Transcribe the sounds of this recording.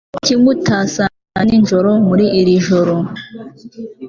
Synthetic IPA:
cimutʰaːsa | aninʒoɾomuɾiʔiɾiʒoɾo

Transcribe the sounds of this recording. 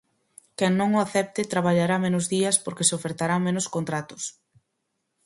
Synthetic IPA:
kɛŋnõŋoaθɛp̚t̪ɪt̪ɾaβaʎaɾamẽnʊzðiɐspoɾkeseofeɾt̪aɾaŋmẽnʊskont̪ɾat̪ʊ̥s

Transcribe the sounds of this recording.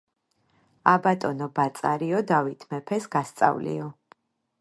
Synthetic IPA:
abat̪ʼɔnɔbat̪sʼaɾiɔd̪avit̪ʰmɛpʰɛsɡ̥ast̪sʼa̰vlḭɔ

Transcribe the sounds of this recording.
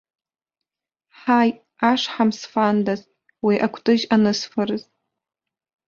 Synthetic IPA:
ħaj | aʂħamsfandaz | wiʔakʷʰtʼɨʒanɨsfarɨz

